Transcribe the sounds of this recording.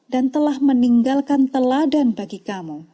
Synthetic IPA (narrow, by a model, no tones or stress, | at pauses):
dant̪əlahməniŋɡalkant̪əladanbaɡikamu